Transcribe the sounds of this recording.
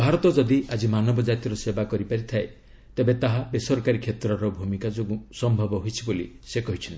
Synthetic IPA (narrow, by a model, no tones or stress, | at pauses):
bʱaɾɔt̪ɔd͡ʒɔd̪iʔad͡ʒimanɔbɔd͡ʒat̪ɔɾɔsebakɔɾipaɾit̪ʰae | t̪ebet̪aɦabesɔɾkaɾikʰet̪ɾɔɾɔbʱumikad͡ʒoɡusɔmbʱɔbɔɦojt͡ʃʰibolḭsekɔɦit͡ʃʰɔnt̪i